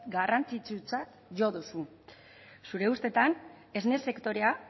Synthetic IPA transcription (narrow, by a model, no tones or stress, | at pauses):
ɡarant͡sit͡sut͡sat̪ | ʝo̞ðusu | suɾe̞ust̪e̞t̪an | e̞zne̞se̞kt̪o̞ɾe̞a